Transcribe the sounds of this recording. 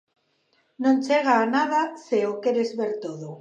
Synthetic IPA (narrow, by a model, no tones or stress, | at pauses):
nõnt͡ʃeɣ̞aːnað̞aseokeɾezβeɾt̪oð̞o